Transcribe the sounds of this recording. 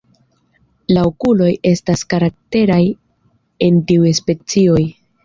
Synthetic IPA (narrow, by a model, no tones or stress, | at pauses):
laokulo̞je̞staskaɾak̚te̞ɾaj | e̞ntiujespe̞t͡sio̞j